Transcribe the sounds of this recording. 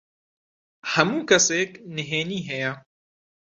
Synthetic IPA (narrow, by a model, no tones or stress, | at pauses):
hɐmuːkɐseknɨɦeːniːɦɛjɛ